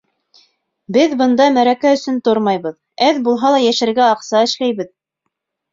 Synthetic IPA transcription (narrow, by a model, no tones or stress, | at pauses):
bɘðbɤ̆nd̪ɑmæɾækæɵ̆sɵnt̪oɾmɑjβɤð | æðbulˠɦɑlˠɑjæʃɘ̆ɾɡæɑqsɑɘ̆ʃlæjβɘð